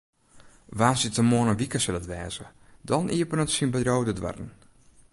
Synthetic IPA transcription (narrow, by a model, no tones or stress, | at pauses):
ʋaːsjətəmoənənʋikəsɪlətʋɛːzədɔniəpənətsinbədrowdədʋa̰rn̩